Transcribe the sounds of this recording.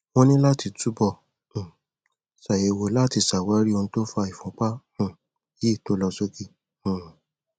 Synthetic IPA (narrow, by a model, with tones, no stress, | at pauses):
wõ˧nĩ˦la˦˨ti˧tu˦bɔ̃˦˨ | sa˨je˨wo˨la˦ti˧sa˨wa˨˦ɾi˦o˧ñ̩˦to˦fa˧i˨fɔ̃˨˦k͡pa˦hũ˦˨ | ji˦˨to˨˦lɔ˧so˦kĩ˧˦˨